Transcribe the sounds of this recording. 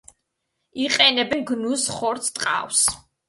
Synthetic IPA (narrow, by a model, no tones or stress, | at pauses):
iqʼɛnɛbɛnɡnusχɔɾt̪ʰt̪ʼqʼa̰ws